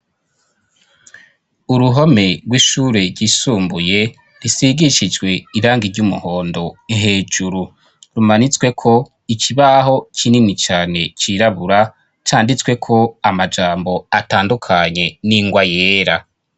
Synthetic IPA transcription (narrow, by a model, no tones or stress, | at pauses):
uɾuɦo̞me̞ɾɡwiːʃuːɾe̞ɾɟiːsuːmbuje̞ | ɾisiɡiʃid͡ʒɡwe̞iɾaːŋɡiɾɟumṵho̞ːndo̞iŋɦe̞ːd͡ʒuɾu | ɾumanit͡swe̞kʰo̞ | iciβaɦo̞cʰininit͡ʃaːne̞t͡ʃiɾaβuɾa | t͡ʃaːndit͡swe̞kʰo̞amad͡ʒaːmbo̞ataːndukʰaɲe̞niŋɡwajeːɾa